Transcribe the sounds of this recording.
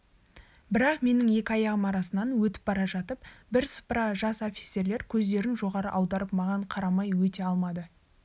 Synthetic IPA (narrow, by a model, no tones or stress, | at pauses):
bɪɾɑqme̞nɪŋje̞kʲɪɑjɑʁəmɑɾɑsənɑnwɵt̪ɪ̥p̚bɑɾɑʒɑt̪əpbɪɾsə̥pɾɑʒɑso̞fʲi̥t̪se̞ɾle̞ɾkʲʰɵzd̪e̞ɾɪnʒo̞ʁɑɾə̰ʔɑwd̪ɑɾəpmɑʁɑɴqʰɑɾɑmɑjwɵt̪e̞ɑlˠmɑd̪ə